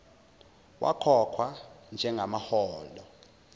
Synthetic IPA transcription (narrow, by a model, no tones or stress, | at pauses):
wʔa̰kʰɔkʰwand͡ʒʱɛŋɡʱamahɔːlɔ